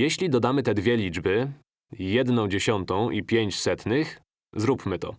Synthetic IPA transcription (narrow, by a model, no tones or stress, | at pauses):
jɛɕlʲid̪ɔd̪amɘt̪ɛd̪vʲjɛlʲid͡ʐbɘ | jɛd̪nɔ̃w̃d͡ʑeɕɔnt̪ɔ̃w̃ʔipʲjeɲt͡ɕsɛt̪nɘx | zɾupmɘt̪ɔ̰